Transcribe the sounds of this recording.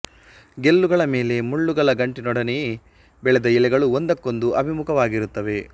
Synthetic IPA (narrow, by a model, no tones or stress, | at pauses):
ɡelːuɡɐɭɐme̞ːle̞muɭːuɡɐɭɐɡɐɳʈinɔɽɐneje | bɛɭɛd̪ɐilɛɡɐɭuond̪ɐkːo̞nd̪uɐbʱimukʰɐʋaːɡiɾut̪ːɐʋe̞